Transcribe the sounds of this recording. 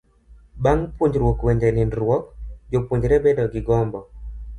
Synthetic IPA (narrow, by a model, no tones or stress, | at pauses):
baŋpwoɲd͡ʒɾwɔkwɛɲd͡ʒɛninɾwɔkd͡ʒopwoɲd͡ʒɾɛbɛdɔɡɪɡɔmbɔ